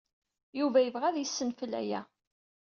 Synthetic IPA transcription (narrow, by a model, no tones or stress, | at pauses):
juvæjəvʁæðjəsːənfəlæ̰jæ